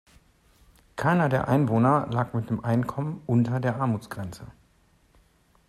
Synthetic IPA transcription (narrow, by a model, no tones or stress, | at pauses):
kʰaɪnɐdeːɐʔaɪnvoːnɐlaːkmɪt̚d̥eːmʔaɪnkʰɔmənʔʊntɐdeːɐʔaɐmuːt͡sɡ̥ʁɛnt͡sə